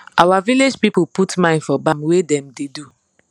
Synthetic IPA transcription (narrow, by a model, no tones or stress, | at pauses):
awaviled͡ʒpipuputmãɪ̃ndfɔbãmwedɛ̃mdedu